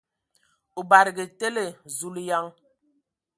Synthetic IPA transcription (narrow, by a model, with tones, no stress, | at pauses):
u˨ba˨ɾɡə˨te˦le˨zu˨lja˦ŋ